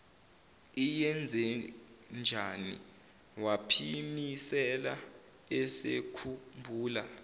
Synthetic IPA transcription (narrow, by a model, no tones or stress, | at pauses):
ijɛnd͡zʱɛ | nd͡ʒʱanḭ | wapʰimisɛla | ɛsḛkʰumbʱuːla̰